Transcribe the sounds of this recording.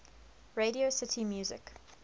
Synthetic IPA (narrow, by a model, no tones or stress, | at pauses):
ɹeɾiosɪtʰimjuːzɪ̰k